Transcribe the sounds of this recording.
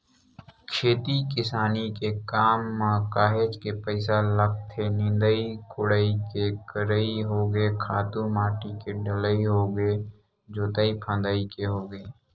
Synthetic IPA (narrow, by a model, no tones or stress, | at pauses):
kʰeːt̪ikɪsaːnikekaːmːãkaːɦeːd͡ʒkepəɪsalək̚t̪ʰːenɪ̃nd̪əikʊɽəikekəɾəiɦoːɡeːkʰaːt̪umaːʈikeɖɪləiɦoːɡeː | d͡ʒoːt̪aipʰə̃ːnd̪aikeɦoːɡeː